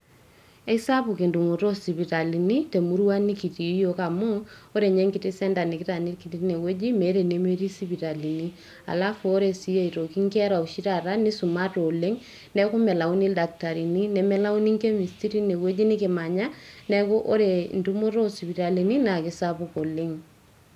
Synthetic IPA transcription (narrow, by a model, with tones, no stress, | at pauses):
ɛ˦sa˦pu˨ki˨ndu˨mo˨ɾo˦si˨βi˨ta˨li˨ni˦te˨mu˦ɾwa˦ni˦ki˨ti˨˦jo˦ka˨mu˦o˦ɾe˨ɲɛ˦ŋkɪ˨tɪ˦sɛ˦nda˨nɪ˨kɪ˦ta˨ni˦ɾki˨ti˦ne˨we˦d͡ʒi˦me˨˦ɾe˨ne˦me˦ɾi˦si˦βi˨ɾa˨li˨ni˦ | a̰˨la˦foː˦ɾe˨si˦je˦i˨ɾo˨ki˦ŋkɛ˦ɾa˨u˨ʃi˦ta˨ɾa˦ni˦su˨ma˦to˨le˦ŋ | nɛ˦ku˦mɛ˨la˨wni˦lda˨k̚ta˨ɾi˨ni˦nɛ˨mɛ˦la˦u˦ni˦ŋke˦mi˨sti˦ɾi˦ne˨we˦d͡ʒi˦nɪ˦ke˨ma˨ɲa˦nɛ˦ko˦ʔo˦ɾe˨ndu˦mo˦ɾo˦si˨pi˨ɾa˨li˨ni˦na˨kɪ˨sapu˦ko˨le˦ŋ